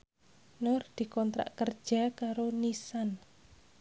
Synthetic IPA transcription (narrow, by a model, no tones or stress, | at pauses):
nʊrd̪̥i̤kɔnt̪ɾa̰ʔkərd̥ʒ̥a̤kaɾonisan